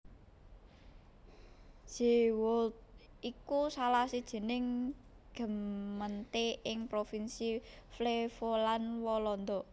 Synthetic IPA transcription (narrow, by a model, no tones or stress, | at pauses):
ʒ̥i̤wʊt̪̚ | ikusalasid̥ʒ̥ə̤nɪŋ | ɡ̥ə̤mːənt̪eʔɪŋpɾofinsiflefolanwɔlɔnd̪ɔ